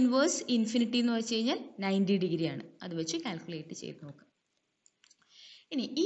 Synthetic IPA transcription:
nʋɐːsinfiniʈːijenːɨpɐrɐt͡ɕːt͡ɕejiɲːaːlnɐjndiɖiɣiɾijaːɳɨ̰ɐ̰ðɨʋɐt͡ɕːɨkʲaːlkʲuleːʈːɨt͡ɕḛjt̪nokːɐm | iniʔiː

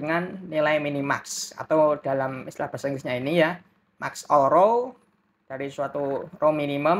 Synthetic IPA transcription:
əŋanːilaiminima̰ksa̰t̪awd̥a̤lamist̪ilahb̥a̤səŋɾisɲainija | ma̰ksɔlɾo | d̥aɾisuat̪urominiməm

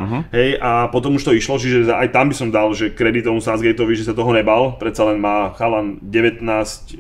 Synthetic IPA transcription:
ɦɛjʔapɔt̪̬ɔmuʃt̪ɔiʃlɔt͡ʃiʒɛa̰jt̪ambisɔmd̪alʒɛkɾɛd̪it̪ɔmusanzɡɛjt̪ɔʋiʒɛsat̪ɔɦɔɲɛbalpɾɛt̪salɛnmaːxalanɟɛʋɛt̪naːsc

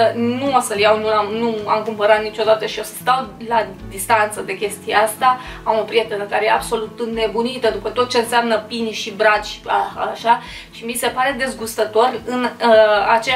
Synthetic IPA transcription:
nuosəljawnuamnuamkumpəɾat̪nit͡ʃo̞d̪at̪əʃio̞sə̥st̪awlad̪ist̪ant̪səd̪e̞kʲe̞st̪ijeast̪aamo̞pɾije̞t̪e̞nəkaɾejeabso̞lut̪ne̞bunit̪əd̪upət̪o̞t̪̚t͡ʃe̞ɨnseamnəpinʃibɾat͡ʃi̥aaʃa | ʃimise̞paɾe̞d̪e̞zɡust̪ət̪o̞rɨnat͡ʃe

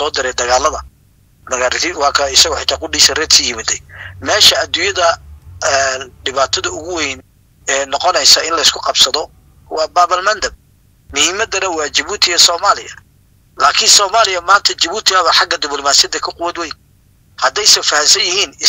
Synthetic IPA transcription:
ɔːd̪ɪɾɛd̪ɐɣaːlɐðɐ | mɐɣaːɾɪɪwɑːkʰɐɪsɐɣʊħɪt̪ʰaːkʰʊɖiːsɐrɛːd̪siːjɪmɐd̪ɛjmɛːʃɐɐd̪ʊjɐðɐɛɖɪβaːt̪ʰɐðɐʊɣʊwɛjn | ɛːnɔqɔnɛjsɐɪnlɐɪskʰʊqɑbsɐðɔ | wɑːbaːβɐlmɐnd̪ɐb̚ | mʊhiːmɐd̪ɐnɐwɑːt͡ʃɐβuːt̪ʰɪɣɐsɔːmaːlɪjɐ | laːkʰɪnsɔːmaːlɪjɐmaːnt̪ʰɐt͡ʃɐβuːt̪ʰɪɣaβɐħɑɡɐd̪ɪblɔmaːsɪjɐðɐkʰɐqʊwɐd̪wɛjn | hɐd̪ɛjsɐfɐhɐmsɐnjɪhiːnɪ

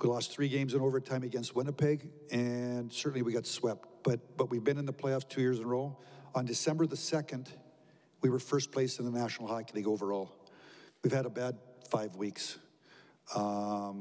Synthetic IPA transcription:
wilɔstθɹiɡẽɪ̃mzɨ̃noʊvə˞tʰãɪ̃mɨɡɛ̃nst̚wɪ̃ñəpʰɪɡ | ɨ̃nsɜ˞ʔn̩liwiɡɑtswɛp̚t̚b̥ʌt̚b̥ʌt̚wivbɨ̃nɨ̃nðəpʰl̥eɪɔftʰʉjɪɹzɨ̃nəɹoʊlˠə̃ndɨsɛ̃mbə˞ðɨsɛkɨ̃nd | wiwə˞fɜ˞spʰl̥eɪsɨ̃nðənæʃn̩l̩ˠhaknĩɡoʊvə˞ɔlˠwiv̥ɨɾəbæd̚faɪvwiks

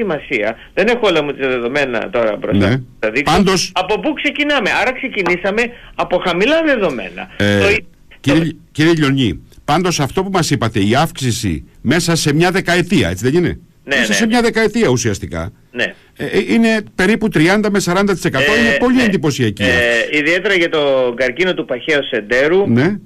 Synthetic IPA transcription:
imɐsiɐ | ðe̞ne̞xoolɐmut̪iɐðeðo̞me̞nɐ̰t̪o̞ɾɐbɾoneɐðikpɐnd̪o̞sɐpopukse̞cinɐme̞ʔɐɾɐkse̞cinisɐme̞ɐpo̞xɐmilɐðe̞ðo̞me̞̰nɐ̰o | ciɾiciɾieʎo̞ɲipɐnd̪o̞sɐft̪o̞pumɐsipɐt̪e̞iɐfksisḭme̞sɐse̞mɲɐðe̞kɐe̞t̪iɐ̰e̞t͡siðe̞nine̞̰ | nemesɐse̞mɲɐðe̞kɐet̪iɐusiɐst̪ikɐ̰ | nḛ | ine̞pe̞ɾiput̪ɾiɐnd̪ɐme̞sɐɾɐnd̪ɐt̪i̥se̞kɐt̪o̞inepo̞lie̞nd̪ipo̞siɐciɐ̰iðie̞t̪e̞ɾɐʝɐt̪o̞ɡɐɾcino̞t̪upɐçeosend̪e̞ɾune̞

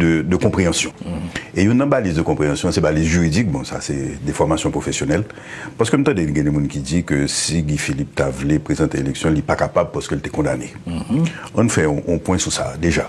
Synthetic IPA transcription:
dəd̪əkɔ̃pʁeɑ̃sjɔ̃ejunːãbalizd̪əkɔ̃pʁeɑ̃sjɔ̃sɛbalizʒyʁid͡zik̚bɔ̃sa̰sɛd̪ɛfɔʁmasjɔ̃pʁofesjonɛl | paʁsə̥køm̩t̪ɑ̃d̪ɛnɡɛ̃d̪ɛ̃mũnkid͡zikøsiɡifilip̚t̪avlepʁezɑ̃t̪eelɛksjɔ̃lipakapabpasə̥kølt̪ɛkɔ̃d̪ane | ɔ̃nfɛɔ̃ʔɔ̃pwɛ̃susa̰d̪eʒa

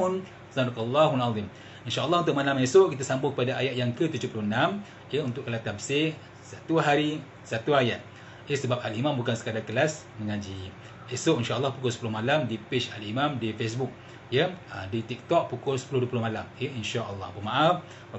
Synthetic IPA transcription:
n | saɾakalːaɦunaðim | inʃaːlˠˤːɑhunt̪ʊʔmalamesoʔkit̪asambʊŋkəpadaʔajat̪̚jaŋkət̪ud͡ʒʊhpulunam | jəunt̪ʊʔkːəlat̪abse | sat̪uɦaɾi | sat̪uaja̰t̪̚ | jesəbap̚alimãmbukansə̥kadakəlas | məŋãd͡ʒi | esoʔinʃaɑlˠˤːɑhpukʊlsə̥pulʊhmalamdipeʃalimamdifes̬buk̚ | jəə̰dit̪ik̚t̪ɔk̚pukʊlsə̥pulʊhduəpulʊhmalameinʃaʔəlːɑ̰pəmaʔaf | a

